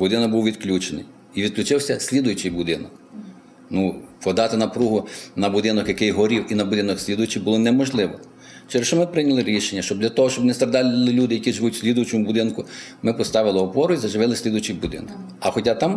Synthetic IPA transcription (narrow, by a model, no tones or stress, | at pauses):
bʊd̪ɪnɔkɡ̚buwʋʲid̪klʲut͡ʃenɪ̰j | iʋʲid̪klʲʊt͡ʃɪwsʲɐsʲlʲid̪ʊjʊt͡ʃɪjbʊd̪ɪnɔk | nupɔd̪ɑt̪ɪnɐpɾuɦʊnɐbud̪ɪnɔkjɐkɪjɦɔɾʲiwinɐbʊd̪ɪnɔksʲlʲid̪ʊjʊt͡ʃɪjbʊlˠɔnɛmɔʒlˠɪʋɔ | t͡ʃeɾeʃt͡ʃɔmɪpɾɪnʲɐlˠɪɾʲiʃenʲːɐʃt͡ʃɔbd̪ʲlʲɐt̪ɔɦɔʃt͡ʃɔbnɛst̪ɾɐd̪ɑlʲlˠɪlʲud̪ɪjɐkʲiʒɪʋutʲsʲlʲid̪ʊjʊt͡ʃɔmʊbʊd̪ɪnkʊmɪpɔst̪ɑʋɪlˠɪɔpɔɾʊizɐʒɪʋɪlˠɪsʲlʲid̪ʊjʊt͡ʃɪjbud̪ɪ̰nɔkk | ɐxɔtʲat̪ɑm